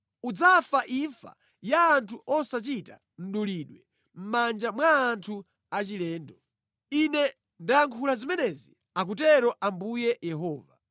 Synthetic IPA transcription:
ud͡zafaʔiɱfa̰ | jaːntʰuʔɔsat͡ʃita̰ | n̩ɗuliɗwɛ | m̩mand͡ʒamwaːntʰu | at͡ʃilɛːndɔ | inɛ | ndajaŋkʰulazimɛnɛzi | ak̬utɛɾɔʔambujɛjɛɦɔːva

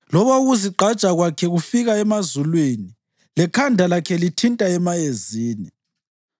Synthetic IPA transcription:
lɔβauɣuziǃʱat͡ʃʼaɣwakʰɛɣufiɣaɛmazulwini | lɛkʰandʱalakʰɛlitʰintʼaɛmajeziːni

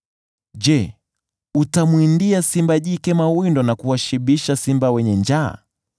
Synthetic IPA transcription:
ʄɛ | utamwindiasimbaʄikɛmawindɔnakuwaʃiɓiʃasimbawɛɲɛnd͡ʒa̰ː

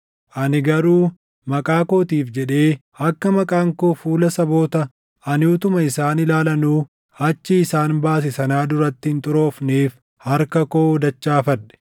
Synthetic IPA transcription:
ʔɐnɪɡɐɾuː | mɐkʼaːko̞ːt̪iːfd͡ʒɛᶑe̞ː | ɐkːɐmɐkʼaːŋkoːfuːlɐsɐbo̞ːt̪ɐ | ʔɐnɪʊt̪ʊmɐɪsaːnɪlaːlɐnuː | hɐt͡ʃːɪːsaːnbaːs̬ɪsɐnaːd̪ʊɾɐt̪ːɪhɪnt̪ʼʊɾo̞ːfneːf | hɐɾkɐkoːd̪ɐt͡ʃːaːfɐᶑɛ̥

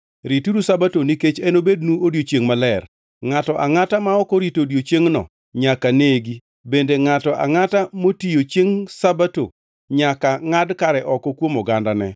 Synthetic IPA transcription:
ɾituɾusabatoniket͡ʃɛnobednuodjot͡ʃeŋmalɛr | ŋatɔʔaŋatamaɔkɔɾitodjot͡ʃjeŋnɔ̰ | ɲakaneɡi | bendeŋatɔʔa̰ŋatamotijot͡ʃjeŋsabato̰ | ɲakaŋadkaɾɛʔɔkɔkwomɔɡandanɛ̰

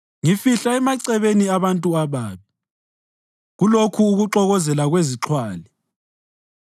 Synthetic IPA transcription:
ŋifiɬaɛmaǀɛβeniaβantʼuaβaːβi | ɣulokʰuːɣuǁɔɣɔzɛlaɣweziǁʰwaːli

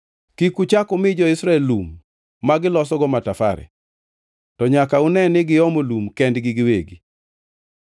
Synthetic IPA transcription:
kikut͡ʃakʊmɪd͡ʒɔɪsɾaɛlumː | aɡɪlɔsɔɡɔmatafa̰ɾɛ̰ | tɔɲakaunɛnɪɡɪɔmolumkɛndɡɪɡɪwḛɡi

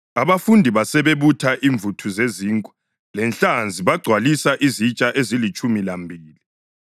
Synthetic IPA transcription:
aβafundʱiβasɛβeβutʰaʔiɱb̪vʱutʰuzeziːŋkʼu̥ | lɛnɬand͡zʱiβaɡ͡ǀʱwalisaʔizit͡ʃʼaʔezilit͡ʃʼumilambʱiːli

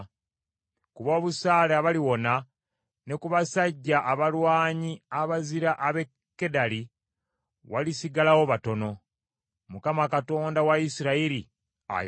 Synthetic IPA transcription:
kuβo̞ːβusaːlaβaliwo̞na | ne̞kuβasaɟːaʔːβalwaːɲiaβaziɾaʔaβe̞ | kːe̞dali | walisiɡalawo̞βato̞no̞ | mukamakato̞ːndawaisiɾaiɾi | a̰j

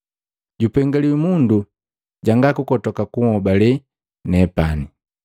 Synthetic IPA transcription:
ɟupɛŋɡaliwimundu | ɟaŋɡakukɔtɔkakuŋhɔbalɛ | nɛpani

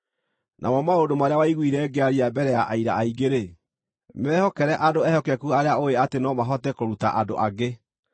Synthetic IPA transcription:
nʔa̰mɔmaodomaɾeawaiɣwiɾɛːɡeaɾiabɛɾɛjaʔaiɾa̰aiɡeɾe | mɛːhɔkɛɾɛʔadoɛhɔkɛkuaɾeaoeatenɔmaɦɔtɛkoɾuta̰ʔado̰ʔaɡe

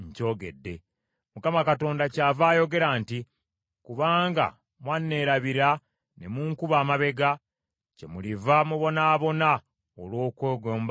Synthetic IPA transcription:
ɲco̞ːɡe̞̰dːe̞̰ | mukamakato̞ːndacaːvaːjo̞ɡe̞ɾaːnti | kuβaːŋɡa̰ | mwanːe̞ːɾaβiɾa | nemuːŋkuβaːmaβe̞ɡa | ce̞̰mulivamuβo̞naːβo̞na | olwo̞ːkweːɡoːmb

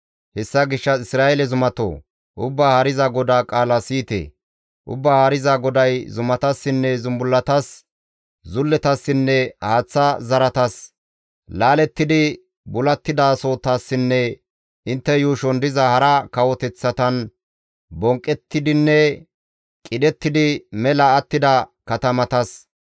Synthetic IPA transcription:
hɛsːɐɡɪʃːɐɪsɾaːʔɛlɛzʊmɐt̪o̰ː | ʔʊbːaːhɐɾɪzɐɡɔd̪aːkʼaːlɐsiːt̪ḛː | ʔʊ̰bːaːhɐɾɪzɐɡɔd̪ɐjzʊmɐt̪ɐsːɪnːɛzʊmbʊlːɐt̪ɐs | zʊlːɛt̪ɐsːɪnːɛhaːt͡sːɐzɐɾɐt̪ɐs | laːlɛt̪ːɪd̪ɪ | bʊlɐt̪ːɪd̪aːso̞ːt̪ːasːɪnːɛ | ʔɪnt̪ːɛjuːʃɔnd̪ɪzɐhɐɾɐkɐwɔt̪ɛt͡sːɐt̪ɐn | bɔŋkʼːɛt̪ːɪd̪ɪnːɛ | kʼɪd̪ɛt̪ːɪd̪ɪmɛlɐːt̪ːɪd̪ɐkɐt̪ɐmɐt̪ɐs

